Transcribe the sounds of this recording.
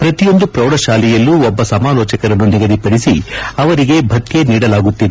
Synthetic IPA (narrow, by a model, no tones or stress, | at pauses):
pɾɐt̪ijo̞nd̪upɾɐwɽɐʃaːlijɐlːuɔbːɐsɐmaːlɔːt͡ʃɐkɐɾɐnːuniɡɐd̪ipɐɽisiɐʋɐɾiɡe̞bʱɐt̪ːjeniːɽɐlaːɡut̪ːid̪e